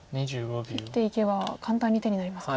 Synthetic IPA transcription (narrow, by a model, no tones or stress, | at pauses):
ɲiʑɨːɡobʲie̞ike̞βakʰãnt̪ãɲ̟ːit̪e̞ɲ̟inaɾimas